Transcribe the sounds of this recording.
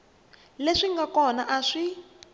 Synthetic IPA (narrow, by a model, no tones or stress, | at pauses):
leʂiŋɡakɔnaʔaʂi